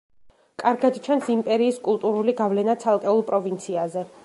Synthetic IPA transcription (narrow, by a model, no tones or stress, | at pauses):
kʼaɾɡad̪t͡ʃʰansimpʼɛɾiːskʼulˠt̪ʼuɾuliɡavlɛnat̪sʰalˠkʼɛulˠpʼɾɔvint̪sʰiazɛ